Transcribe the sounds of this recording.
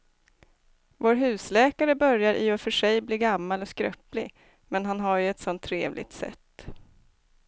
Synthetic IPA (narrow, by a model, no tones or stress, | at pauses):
voːɾɦʉ̟ːslɛːkaɾəbœɾjaɾʔɪɔfœʂɛjbliːɡamːalɔskɾœ̰plɪ | mɛnɦanɦaɾjɵɛt̪sɔnt̪ʰːɾeːvlʔɪ̰ɡ̚t̪sɛ̰t̪ː